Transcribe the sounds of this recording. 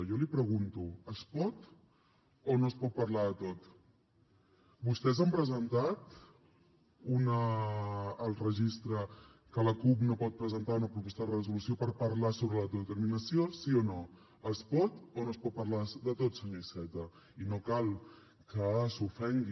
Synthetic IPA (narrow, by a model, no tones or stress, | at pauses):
jɔlipɾəɣunt̪uəspɔt̪ | onoəspɔt̪̚pəɾlaðət̪ot̪ | bust̪ɛzəmpɾəzənt̪at̪ | unəː | lˠrəʒist̪ɾə | kələkup̬nopɔt̪̚pɾəzənt̪aunəpɾupɔst̪əðərəzulusiopəɾpəɾlasoβɾələt̪ət̪əɾminəsijosiono | əspɔt̪onoəspɔt̪̚pəɾlad̪ət̪ot̪səɲoisɛt̪ə | inokalˠ | kəsufɛŋɡi